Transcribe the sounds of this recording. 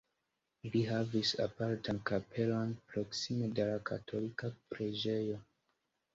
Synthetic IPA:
liɦavisa̰paɾtankapʰe̞lo̞npɾo̞ksime̞delakʰa̰tʰo̞likapɾed͡ʒe̞jo̞

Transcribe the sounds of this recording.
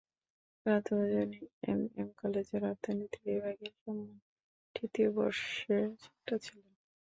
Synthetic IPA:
at̪od͡ʑoniḛmḛmkɔled͡ʑeɾaɾt̪ʰonit̪iɾebaɡeɾʃɔmːo | ʈit̪iobɔ̰ɾʃeɾt͡ɕɔ̥k̚ʈat͡ɕʰilen

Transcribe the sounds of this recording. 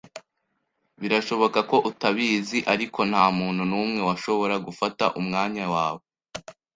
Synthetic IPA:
βiɾaʃo̞βo̞kako̞ʔutaβiːziʔaɾikʰo̞n̥haːmuːn̥hunuːmŋe̞waʃo̞βo̞ɾaɡufata̰ʔumŋaːɲawaːβo

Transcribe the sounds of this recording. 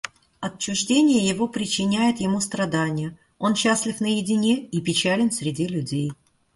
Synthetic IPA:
ɐt͡ɕːʊʐdʲenʲɪjəjɪvo̞pɾʲɪt͡ɕːɪnʲæjɪt̪jɪmust̪ɾɐd̪anʲɪjə | o̞nɕːasʲlʲɪfnəjɪdʲɪnʲeipʲɪt͡ɕælʲɪnsʲɾʲɪdʲilʲʊdʲej

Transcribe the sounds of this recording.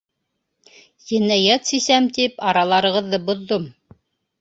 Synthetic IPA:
jinːæjat̪sisæmt̪ipɑɾɑlˠɑɾɤ̆ʁɤ̆ðːɤbŏðːom

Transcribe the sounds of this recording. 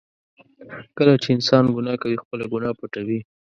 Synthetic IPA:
kəlat͡ʃeɪnsɑnɡʊnɑkawixpəlaɡunɑpʊʈawi

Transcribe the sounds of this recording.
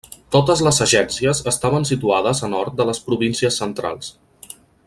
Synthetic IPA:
t̪ot̪əzləzəʒɛnsiəzəst̪aβənsit̪uaðəzənɔɾt̪̚d̪ələspɾuβinsiəsːənt̪ɾa̰lˠs

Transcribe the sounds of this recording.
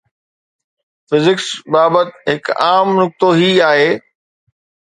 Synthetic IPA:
fɪzɪksbaːbət̪ɦɪkaːmnʊk̚t̪oɦiaːɦeː

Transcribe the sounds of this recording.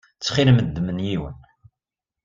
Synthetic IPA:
t͡sːχɪlməd̪ːmənjiwə̰n

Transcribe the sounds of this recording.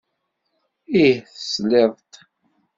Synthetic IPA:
ihθəsleðˤt̪

